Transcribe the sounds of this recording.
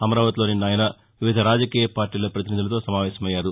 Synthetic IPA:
ɐmɐɾaːʋɐt̪loːninaːjɐnɐ | ʋiʋid̪ʱɐɾaːd͡ʒɐkiːjɐpaːɾʈːiːlɐpɾɐt̪iniːd̪ulɐt̪o̞ːsɐmaːʋɛːsɐmɐjːaːɾu

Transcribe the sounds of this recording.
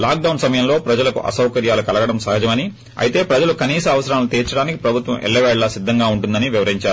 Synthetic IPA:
laːk̚ɖɐwɳsɐmɐjɐmlo̞ːpɾɐd͡ʒɐlɐkṵʔɐ̰sɐwkɐɾjaːlukɐlɐɡɐɽɐmsɐɦɐd͡ʒɐmɐni | ɐ̰jit̪e̞ːpɾɐd͡ʒɐlukɐniːsɐɐʋɐsɐɾaːlut̪ɛːɾt͡ʃɐɽaːniki̥pɾɐbʱut̪ʋɐ̰mʔɛ̰ɭːɐʋɛːɭlɐsid̪ʱːɐŋɡaːuɳʈund̪ɐniʋiʋɐɾɦiɲt͡ʃaːɾu

